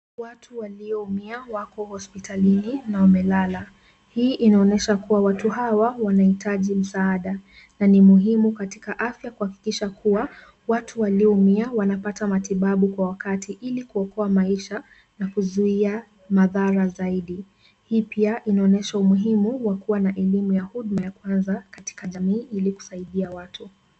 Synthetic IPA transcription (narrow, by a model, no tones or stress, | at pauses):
watʰuwaliɔumiawakɔhɔspitʰalininaumɛlala | hiːʔinaɔnɛʃakuwawatuɦawawanahitʰaʄim̩saaɗa | nanimuɦimukati̥kaʔafjakuhaki̥kiʃakʰua | watʰuwaliɔumiawanapatamatiɓaɓukwawakatʰiʔilikuɔkɔamaiʃa | nakuzuia | maðaɾazaiɗi | hiːpiaʔinaɔnɛʃaumuɦimuwakuwanaʔɛlimujahuɗmajakwanzakati̥kaʄamiːʔiliku̥saiɗiawatʰu